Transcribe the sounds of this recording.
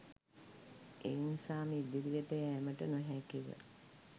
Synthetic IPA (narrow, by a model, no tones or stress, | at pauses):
ʔeːnisaːmid̪iɾiɡəʈəjːməʈənoɦækiʋə̰